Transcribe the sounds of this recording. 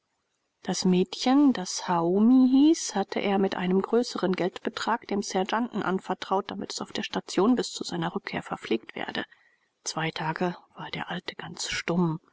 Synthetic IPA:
d̥asmɛːtçəndashaʊmiɦiːshatʰə̰ʔḛːɐmɪtʔa̰ɪnəmɡʁøːsəʁənɡɛltb̥ətʁ̥aːkd̥eːmsɛɐd͡ʒanʔn̩ʔa̰nfɛɐtʁ̥aʊt̚d̥amɪtɛ̥saʊfd̥eːɐʃtat͡sjoːnbɪst͡suzaɪnɐʁʏkʰːeːɐfɛɐfleːk̚tv̥ɛ̰ːɐdə̰ | t͡sv̥aɪtʰaːɡəv̥aːɐdeːɐʔaltəɡ̥ant͡sʃtʊm

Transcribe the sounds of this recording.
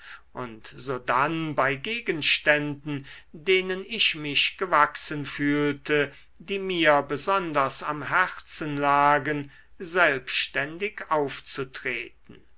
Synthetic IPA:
ʔʊntz̥oːdanbaɪɡeːɡənʃtɛndn̩deːnənɪʃmɪʃɡ̥əvaksənfyːltʰə | diːmiːɐbəzɔndɐsamɦɛʁsənlaːɡən | zɛlpʃtɛndɪkaʊft͡sutʁ̥eːt̚n̩

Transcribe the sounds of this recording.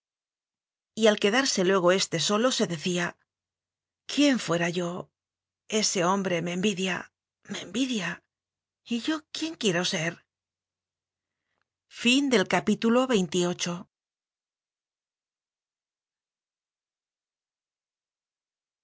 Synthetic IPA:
ialke̞ðaɾse̞lwe̞ɣ̞o̞e̞st̪e̞so̞lo̞se̞ðe̞θia | kje̞ɱfwe̞ɾaʝo̞ | e̞se̞o̞mbɾe̞me̞mbiðja | me̞mbiðja | iʝo̞kje̞ŋkje̞ɾo̞se̞ɾ | find̪e̞lkapit̪ulo̞βe̞jnt̪io̞t͡ʃo̞

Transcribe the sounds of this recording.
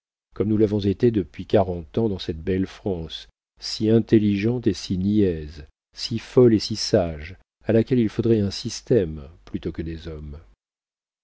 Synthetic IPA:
kɔmnulavɔ̃zet̪ed̪əpɥikaʁɑ̃t̪ɑ̃d̪ɑ̃sɛt̪̚bɛlfχɑ̃sː | iɛ̃t̪eliʒɑ̃t̪esiniɛz | sifɔlesisaʒ | alakʲɛlilfod̪ʁɛɛ̃sist̪ɛmplyt̪okəd̪ezɔm

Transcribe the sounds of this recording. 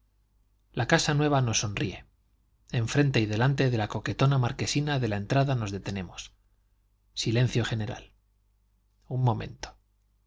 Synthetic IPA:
lakasanwe̞β̞ano̞sːo̞nrie̞ | eɱfɾe̞nt̪e̞iðe̞lant̪e̞ðe̞lako̞ke̞t̪o̞namaɾke̞sinaðe̞lae̞nt̪ɾaðano̞zðe̞t̪e̞ne̞mo̞s | silẽ̞n̟θjo̞xe̞ne̞ɾa̰l | umːõ̞mẽ̞̰nt̪o̥

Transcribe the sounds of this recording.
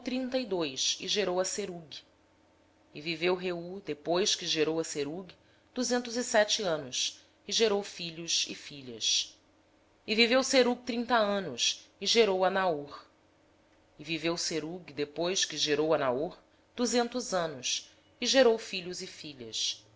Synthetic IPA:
t̪ɾĩnt̪ɐid̪ojʃɪʒeɾowɐseɾuɡi | ɪvivewɦeud̪epojʃkɪʒeɾowɐseɾuɡi | d̪̥uzẽnt̪ʊzisɛt͡ʃɪɐ̃nʊs | ɪʒeɾowfiʎʊʃɪ̰fiʎɐ̰s | ɪvivewseɾuɡ̚t̪ɾĩnt̪ɐɐ̃nʊsɪʒeɾowɐnaoɾ | ɪvivewseɾuɡid̪epojskɪʒeɾowɐnaoɾ | d̪̥uzẽnt̪ʊzɐ̃nʊs | ɪʒeɾowfiʎʊzɪfiʎɐ̰s

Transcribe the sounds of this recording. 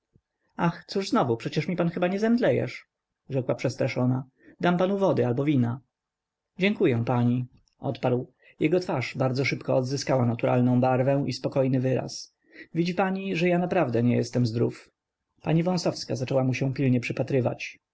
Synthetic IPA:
axt̪suʐznɔvupʂɛt͡ɕɛʂmʲipanxɘbaɲɛzɛmd̪lɛjɛ̰ʂ | ʐɛkwapʂɛst̪ɾaʂɔna | d̪ampanuvɔd̪ɘalbɔvʲina | d͡ʑɛŋkujɛ̃paɲi | ʔɔ̰t̪paɾw | jɛɡɔt̪faʂbaɾd̪zɔʂɘpkɔɔd̪zɘskawanat̪uɾa̰lnɔ̃w̃baɾvɛ̃w̃ʔispɔkɔjnɘvɘɾa̰s | vʲid͡ʑipaɲiʐɛjanapɾavd̪ɛɲɛjɛ̰st̪ɛmzd̪ɾuf | paɲivɔ̃w̃sɔfskazat͡ʂɛwamuɕɛ̃pʲilɲɛpʂɘpat̪ɾɘva̰t͡ɕ

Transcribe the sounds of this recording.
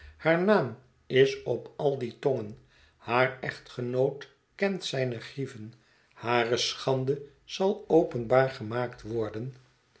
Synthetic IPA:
haːɹnaːm | ɪsɔpɑlˠditɔŋən | haːrɛχtχənowt | kɛntsɛjnəχrivən | haːrəsχɑndə | z̥ɑlˠowpənbaːɹχəmaːktʋɔɹdən

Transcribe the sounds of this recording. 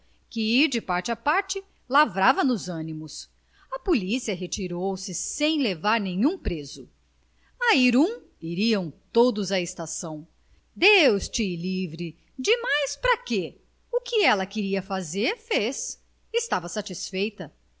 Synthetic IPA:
kɪiɾd͡ʒɪpaɾt͡ʃɪapaɾt͡ʃɪ | lavɾavɐnʊzɐ̃nimʊs | ɐpolisiɐɦet͡ʃiɾowsɪsẽj̃levaɾnẽɲũpɾezʊ | ɐiɾũ | iɾiɐ̃w̃t̪od̪ʊzɐest̪asɐ̃w̃ | d̪ewst͡ʃɪlivɾɪ | d͡ʒɪmajspɾɐke | ʊkɪɛlɐkɪɾiɐfazeɾfes | ɪst̪avɐsat͡ʃisfejt̪ɐ

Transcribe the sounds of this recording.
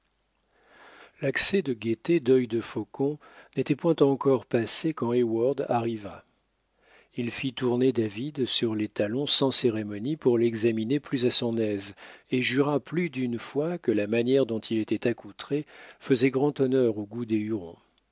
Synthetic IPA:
laksɛd̪əɡʲet̪ed̪œjd̪əfɔkɔ̃ | net̪ɛpwɛ̃t̪ɑ̃kɔʁpasekɑ̃ewaʁd̪aʁiva | ilfit̪uʁned̪avid̪syʁlet̪alɔ̃sɑ̃seʁemɔnipuʁlɛɡzamineplyzasɔ̃nɛzeʒyʁaplyd̪ynfwakəlamanjɛʁd̪ɔ̃t̪ʰilet̪ɛt̪akut̪χefəzɛɡʁɑ̃t̪ɔnœʁoɡud̪eyʁɔ̰̃

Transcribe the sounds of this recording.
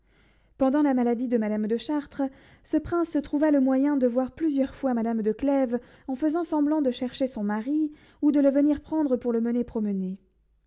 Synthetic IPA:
pɑ̃d̪ɑ̃lamalad̪id̪əmad̪amd̪əʃaʁt̪χə | səpχɛ̃sːət̪χuvaləmwajɛ̃d̪əvwaʁplyzjœʁfwamad̪amd̪əklɛv | ɑ̃fəzɑ̃sɑ̃blɑ̃d̪əʃɛʁʃesɔ̃maʁi | ud̪ələvəniʁpχɑ̃d̪ʁəpuʁləmənepχɔməne

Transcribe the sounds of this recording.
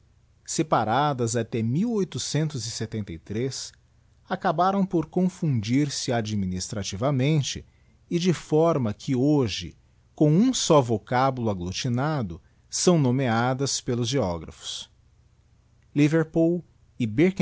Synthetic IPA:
sepaɾad̪ɐzat̪ɛmiwojt̪ʊsẽnt̪ʊzɪset̪ẽnt̪ejt̪ɾes | akabaɾɐ̃w̃poɾkõfũd͡ʒiɾsɪad͡ʒiminist̪ɾat͡ʃivɐmẽnt͡ʃɪ | ɪd͡ʒɪfɔɾmɐkʰɪoʒɪ | kõw̃ũsɔvokabulʊaɡlot͡ʃinad̪ʊ | sɐ̃w̃nõmead̪ɐspelʊzʒeɔɡɾɐ̰fʊ̥s | liveɾpuw | ɪbeɾk

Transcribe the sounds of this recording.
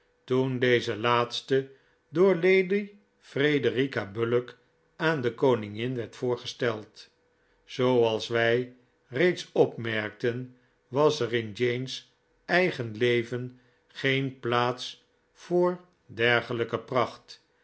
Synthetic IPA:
tundejzəlaːtstə | dʊːɹlejdi | frejdərikabølək | aːndəkownɪŋɪnʋɛɹtfʊːɹχəstɛlˠt | z̥owɑlˠsʋɛj | rejtsɔpmɛɹk̚tən | ʋɑsərɪnd͡ʒejns | ɛjχənlejvən | χejnplaːts | fʊːɹ | dɛɹχələkəprɑχt

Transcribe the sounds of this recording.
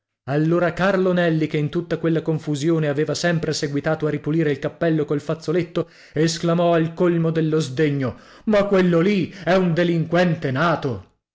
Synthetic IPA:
alːoːɾakarlonɛlːikeint̪ut̪ːakwelːakoɱfuzjoːneaveːvasɛmpɾeseɡwit̪aːt̪oaripuliːɾeilkapːɛlːokolfat̪sːolet̪ːo | esklamɔalkolmod̪elːozd̪eɲːo | makːwelːoliɛund̪eliŋkwɛnt̪enaːt̪o

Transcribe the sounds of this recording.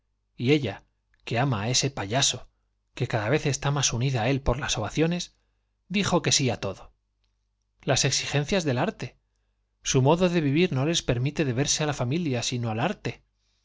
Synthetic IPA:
ie̞ʎa | ke̞amae̞se̞paʎaso | ke̞kaðaβ̞e̞θe̞st̪amasuniðae̞lpo̞ɾlaso̞βaθjo̞ne̞z | d̪ixo̞ke̞siat̪o̞ðo̞ | lase̞ksixe̞n̟θjazðe̞laɾt̪e̞ | sumo̞ðo̞ðe̞β̞iβiɾno̞le̞spe̞ɾmit̪e̞ðe̞βe̞ɾsealafamiljasinoalaɾt̪e̞

